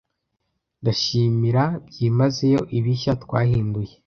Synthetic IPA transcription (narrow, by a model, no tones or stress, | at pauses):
ndaʃiːmiɾabjiːmaze̞jo̞ʔiβiʃatkwaːhiːnduje